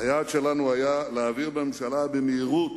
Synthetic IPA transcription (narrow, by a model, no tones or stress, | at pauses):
ajat̪ʃelanuajaleːviʁbememʃalabemeiʁut̪